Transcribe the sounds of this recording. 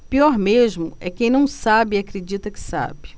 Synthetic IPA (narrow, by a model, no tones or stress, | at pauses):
piɔɾmeʒmʊɛkẽj̃nɐ̃w̃sabɪiakɾed͡ʒit̪ɐkɪ̥sa̰bɪ